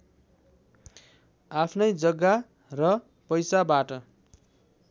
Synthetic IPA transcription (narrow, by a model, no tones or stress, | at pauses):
apʰnʌjd͡zʌɡːa | rʌ | pʌjsabaʈʌ